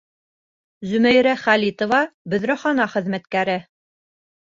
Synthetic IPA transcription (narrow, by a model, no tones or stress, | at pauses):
zɵ̆mæjɾæχælʲit̪ŏvɑbɵ̆ðɾæχɑnɑχɘ̆ðmæt̪kæɾɘ